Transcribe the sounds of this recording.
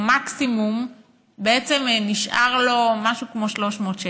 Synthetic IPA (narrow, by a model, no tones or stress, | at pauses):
maksimum | beet͡semniʃʔa̰ʁlomaʃukmoʃloʃmotʃe